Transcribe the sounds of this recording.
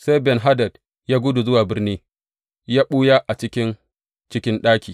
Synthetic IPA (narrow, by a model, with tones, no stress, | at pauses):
sa˦jbɛ˨nɦa˦dɐ˨d | jaː˦ɡʷʊ˦du˨zʊ˦waː˨bɪ˦rniː˦ | jaː˦ɓuː˦ja˦ʔa˨t͡ʃɪ˦kʲɪ˦n | t͡ʃɪ˦kʲɪ˦nɗaː˦kʲiː˨